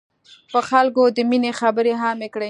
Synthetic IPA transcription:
pəxalkod̪əminexabəɾeɦamekɽe

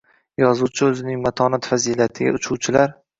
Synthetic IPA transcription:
jɒzuwt͡ʃʰɪɵzɪnɪŋmat̪ʰɒnat̪fazilat̪ʰɪɡʲa̰ʊt͡ʃʰuwt͡ʃʰɪlaɾ

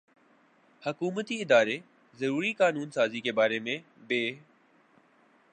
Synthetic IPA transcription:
həkuːmət̪iɪd̪aːɾeː | zəɾuːɾiːkaːnuːnsaːziːkebaːɾeːmẽː | beː

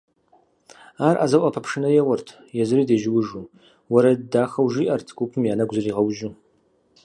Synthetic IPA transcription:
arʔa̰zawʔapʰapʰʂɨnajawartʰ | jazridaʒwʊʐu | waɾadaχawʒiʔartʰɡʷupʰɨmjanaɡʷzariʁawʒu

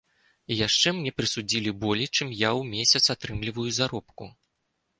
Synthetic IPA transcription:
jaʂt͡ʂɛmnʲɛpɾɨsud͡zʲilʲibɔlʲijt͡ʂɨmjawmʲesʲɐt̪sat̪ɾɨmlʲivɐjuzaɾɔpku

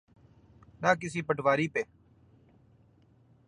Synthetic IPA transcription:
naːk̬ɪsiːpəʈʋaːɾiːpeː

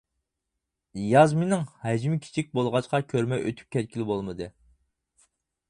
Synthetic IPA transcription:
jɑzmenɪŋhɛd͡ʒmɪkʲʰi̥t͡ʃʰik̚ʲbolˠʁɑt͡ʃqɑkʲʰøɾmɛʔø̰t̪ʰy̥p̚kʲʰɛt̪̚kʲʰilbolˠmɨd̪ɨ

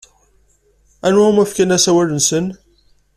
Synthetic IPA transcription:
ænwæumæfkænæsæwælənsən

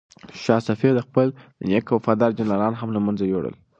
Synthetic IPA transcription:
ʃɑsafiɾd̪əxpəlnjəkwafɑd̪ɑɾd͡ʒanlɑlɑnɦamlamanzajoɽə̰l

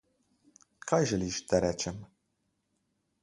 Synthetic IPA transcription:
kʰajʒɛliʃt̪ʰɐɾɛt͡ʃɛm

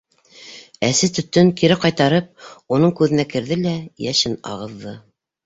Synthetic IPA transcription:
æsɘt̪ɵ̆t̪ːɵŋkiɾɘqɑjt̪ɑɾɤp̚unɤɴkʉðɘ̆nækɘ̆ɾðɘlæjæʃɘnɑ̰ʁɤ̆ðːɤ

